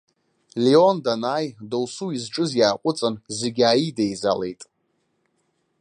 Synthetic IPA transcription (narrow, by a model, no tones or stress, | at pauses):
liondanaːjdowsuizʈ͡ʂʼɨzjaːqʷʼʊt͡sʼanzeɡʲaːjidejza̰le̞̰jtʼ